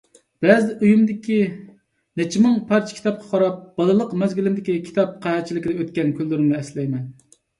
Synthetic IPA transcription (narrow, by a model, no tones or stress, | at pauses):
b̥ɛzɪʔyjymd̪ɪkʲi | net͡ʃʰimɨŋpʰɑɾt͡ʃʰkʲʰi̥t̪ʰɑp̚qʰɑ̥qʰɑɾɑp̚b̥ɑlˠɨlˠəqmɛzɡʲylɪmd̪ɪkʲikʲʰi̥t̪ʰɑp̚qʰæhɛt͡ʃʰilɪkʲid̪ɛøt̪̚kʲɛnkʰʲylːyɾɪmnɨɛslɛjmɛn